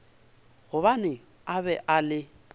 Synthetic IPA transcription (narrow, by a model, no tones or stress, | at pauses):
ɣʊbanɪ | abɛʔalɪ